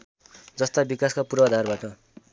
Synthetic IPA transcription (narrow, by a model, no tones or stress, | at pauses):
d͡zʌst̪abikaskapuɾʌːd̪ʱarbaʈʌ